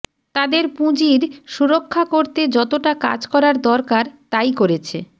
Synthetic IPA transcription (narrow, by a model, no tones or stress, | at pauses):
t̪ad̪eɾpũd͡ʑiɾʃuɾokʰːakoɾt̪ed͡ʑɔt̪oʈaka̰d͡ʑkɔɾaɾd̪ɔɾkaɾt̪ajkoɾet͡ɕʰe